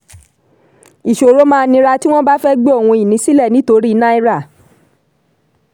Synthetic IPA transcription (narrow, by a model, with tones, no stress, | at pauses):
i˨ʃo˨ɾo˨˦mãː˦˧nĩ˧ɾa˧ti˦w̃ɔ̃˦ba˦fɛ˦ɡ͡be˦o˦˨w̃ũ˧i˨nĩ˨˦si˦lɛ˦˨nĩ˨˦to˧ɾi˦˧˦nã˦i˧˦ɾa˦˨